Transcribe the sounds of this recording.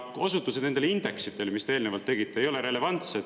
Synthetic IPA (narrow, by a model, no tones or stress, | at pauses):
o̞sut̪ːˑusenend̪elind̪̥e̞ksit̪ˑːe̞lemist̪eeːlnevɑlt̪ːeɡit̪ːˑeejo̞leɾe̞le̞vɑnt̪sed̪̥